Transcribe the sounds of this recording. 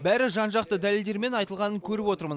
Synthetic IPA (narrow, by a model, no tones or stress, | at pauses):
bæɾɪʒɑnʒɑq̚t̪əd̪æle̞ld̪e̞ɾme̞nɑjt̪əlˠʁɑnəŋkʲʰɵɾɪpwo̞t̪əɾmən